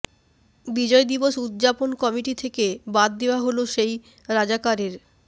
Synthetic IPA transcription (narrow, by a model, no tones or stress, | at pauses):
bid͡ʑɔed̪iboʃud̪d͡ʑaponkɔmiʈit̪ʰekebad̪̚d̪eoaɦoloʃej | ɾad͡ʑakaɾeɾ